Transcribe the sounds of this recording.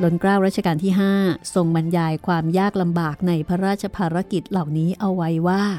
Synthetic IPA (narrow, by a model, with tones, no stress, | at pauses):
lo˧nkɾaː˥˩wɾa˥t̪̚t͡ɕʰa˧kaː˧nt̪ʰiː˥˩ɦaː˥˩so˨˩ŋba˧njaː˧jkʰwaː˧mjaː˥˩k̚la˧mbaː˨˩k̚na˧jpʰa˧˥ɾaː˥˩t̪̚t͡ɕʰa˧pʰaː˧ɾa˦˥ki˨˩t̪̚la˨˩wniː˦˥ʔa˧wːa˧jwaː˥˩